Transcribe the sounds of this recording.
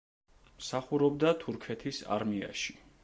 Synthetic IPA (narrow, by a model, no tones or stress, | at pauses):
msaχuɾɔb̚d̪at̪ʰuɾkʰɛt̪ʰisa̰ɾmia̰ʃi̥